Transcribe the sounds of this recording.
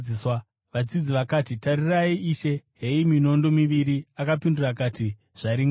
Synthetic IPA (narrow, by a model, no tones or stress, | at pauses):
iswa | ʋad͡zid͡ziʋakaːtitaɾiraiʔiʃe̞ɦe̞imino̞ndo̞miʋiɾiakapindurakaːti | ʐ̥aɾiŋ